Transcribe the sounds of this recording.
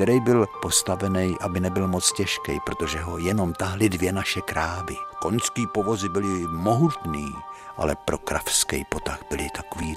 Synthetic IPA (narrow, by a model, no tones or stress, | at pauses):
t̪ɛɾɛjbɪlpo̞st̪avɛnɛjʔabɪnɛbɪlmo̞t͡scɛʃkɛjpɾo̞t̪o̞ʒɛɦo̞jɛno̞mt̪aɦlɪdvjɛnaʃɛkɾaːbɪko̞nskiːpo̞vo̞zɪbɪlɪmo̞ɦut̪niːʔa̰lɛpɾo̞kɾa̰fskɛ̰jpo̞t̪axbɪlɪt̪ḁkoviː